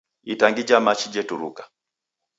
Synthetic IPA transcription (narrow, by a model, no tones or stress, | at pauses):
itaŋɡid͡ʒamat͡ʃid͡ʒɛtuɾṵkḁ